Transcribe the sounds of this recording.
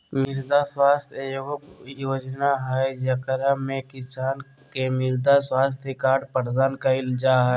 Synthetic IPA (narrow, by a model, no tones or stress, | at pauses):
mɪɾd̪aswaːst̪ʰejobjoːd͡ʒnaɦɛd͡ʒəkəɾamẽkɪsaːn | kemɪɾd̪aswaːst̪ʰjekaːɖpəɾd̪aːnkaɪld͡ʒaːɦɛ